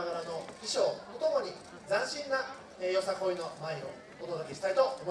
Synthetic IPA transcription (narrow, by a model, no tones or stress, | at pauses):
aɡaɾano̞kʲiɕo̞ːmot̪o̞moɲ̟i | d͡zãɰ̃ɕĩnːa | ejo̞sako̞ːino̞maio̰ | od̪od̪o̞kʲe̞ɕi̥t̪ait̪o̞ːm